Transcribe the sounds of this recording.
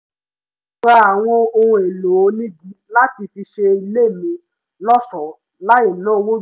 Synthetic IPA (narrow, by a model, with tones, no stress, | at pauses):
k͡pa˧a˨w̃ɔ̃˧o˧hũ˧e˨lo˨o˨˦nĩ˦ɡi˦la˦ti˧fi˧ʃe˧i˧le˦˨mĩ˧ | lɔ˦sɔ˨ | la˦je˦˨nãː˨˦wo˦